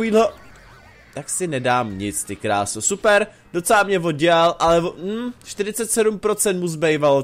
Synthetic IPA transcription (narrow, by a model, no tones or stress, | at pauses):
viːdlo | t̪aksɪnɛdaːmɲɪt͡st̪ɪkɾaːsosupɛɾ | d̥ot͡sɛlamɲɛvod̚ɟɛalʔalɛvom̩ʃt̪ɪɾɪt͡sɛt̪sɛdumpɾo̞t͡sɛnt̪muzbɛjvalo